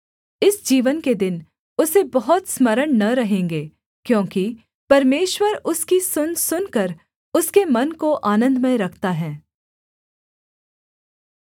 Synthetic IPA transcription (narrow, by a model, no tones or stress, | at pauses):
ɪsd͡ʒiːʋənked̪ɪn | ʊsebɐɦɔt̪smɐɾəɳnɐɾɐɦẽːŋɡeː | kjõːki | pɐɾmeːʃwəɾʊskisʊnsʊnkɐɾ | ʊskemɐnkoʔaːnə̃nd̪mẽɾɐkʰt̪aɦɛ̃ː